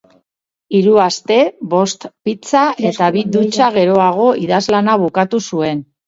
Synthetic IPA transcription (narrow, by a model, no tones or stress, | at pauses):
iɾuast̪e̞βo̞st̪pit͡saʔe̞t̪aβid̪ut͡ʃaɣ̞e̞ɾo̞aɣ̞o̞iðazlanaβukat̪usue̞n